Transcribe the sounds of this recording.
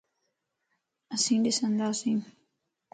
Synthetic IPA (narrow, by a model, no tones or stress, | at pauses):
əsĩːɖɪsə̃nd̪aːsĩː